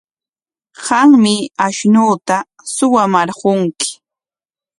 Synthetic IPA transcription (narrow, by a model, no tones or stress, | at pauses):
ɢɑŋmɪaʃnuːt̪a | sʊwamaɾɢʊŋkɪ̥